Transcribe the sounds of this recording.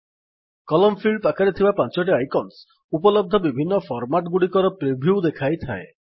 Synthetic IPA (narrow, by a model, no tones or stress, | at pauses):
kɔlɔmfʰiɭɖpakaɾet̪ʰibapãnt͡ʃɔʈ̬iajkɔns | upɔlɔb̚d̪ʱɔbibʱinːɔfʰɔɾmaʈɡuɽikɔɾɔpɾebʱjud̪ekʰajt̪ʰa̰e